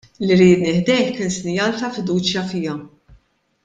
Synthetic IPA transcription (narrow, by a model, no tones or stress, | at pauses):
liɾiːt̪nɪħd̪ɛjħkɪnsɪnjɐːlt̪ɐfɪd̪uːt͡ʃjɐfiːɐ